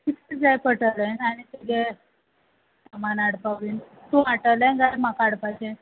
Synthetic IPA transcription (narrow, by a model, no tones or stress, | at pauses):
kit̪əɾd͡zajpəʈələnaɽ̃it̪əɡe | samanaɽpaʋin | t̪ũaʈələnɡajmakaɽpat͡ɕen